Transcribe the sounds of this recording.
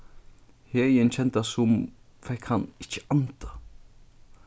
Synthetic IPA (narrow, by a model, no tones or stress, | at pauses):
hɛiɛnt͡ʃʰɛnt̪asʊm | fɛkhanɪt͡ʃːə̥ant̪ḁ